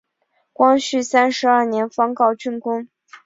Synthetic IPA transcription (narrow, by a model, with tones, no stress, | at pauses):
kwɑ˥ŋɕy˥˩sa˥nʂɻ̩˧˥ɐ˞˥˩njɛ˧˥nfɑ˥ŋkɑ˥˧ʊt͡ɕʰy˥˩nkʊ˥ŋ